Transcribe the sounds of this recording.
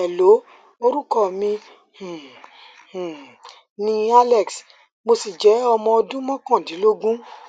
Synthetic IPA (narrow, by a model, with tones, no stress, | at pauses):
ɛ˨lo˨˦ | o˧ɾu˦kɔ˦˨mĩ˧ | hũ˨ | hũ˨ | nĩ˧a˦lɛ˨ks | mo˧si˨d͡ʒɛ˨˦ɔ˧mɔ̃˧ɔ˧dũ˦mɔ̃˦kã˦˨dĩ˨˦lo˦ɡũ˦